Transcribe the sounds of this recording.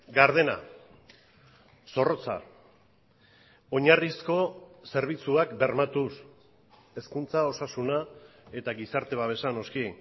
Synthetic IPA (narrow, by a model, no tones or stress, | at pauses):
ɡaɾðe̞na̰ | so̞ro̞t͡sa̰ | o̞ɲarisko̞se̞ɾβ̞it͡suakbe̞ɾmat̪us | e̞skunt͡sao̞sasuna | e̞t̪aɡisaɾt̪e̞βaβe̞sano̞skien